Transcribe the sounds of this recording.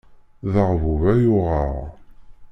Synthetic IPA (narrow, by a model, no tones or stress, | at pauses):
ðəʁvuvæjʊʁəʁ